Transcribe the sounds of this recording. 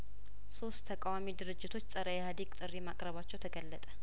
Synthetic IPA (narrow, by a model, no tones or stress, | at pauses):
so̞st̪ʰːəkʼawamid̪ɨɾɨd͡ʒːɪt̪ʰo̞t͡ʃːsʼəɾəjɛhad̪ikʼt̪ʼɨrːimakʼɾəβat͡ʃːɛwt̪ʰəɡəlːət̪ʼə